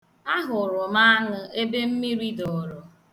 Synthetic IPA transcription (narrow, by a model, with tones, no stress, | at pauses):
a˦ɦʊ˨ɾʊ˨ma˦a˦ŋʊ˦e˦be˦m̩˦mi˦ɾi˦dɔ˨ɾʊ˨